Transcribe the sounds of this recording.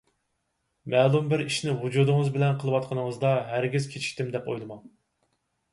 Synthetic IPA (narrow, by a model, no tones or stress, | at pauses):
mɛːlˠumbɪɾiʃnɪwud͡ʒud̪ɨŋɨzbɪlɛnqʰəlˠɨwɑt̪̚qʰənɨŋəzd̪ɑɦæɾɡʲiz̥kʲʰet͡ʃʰi̥ʃʲt̪ɪmd̪ɛpo̰jlˠɨmɑŋ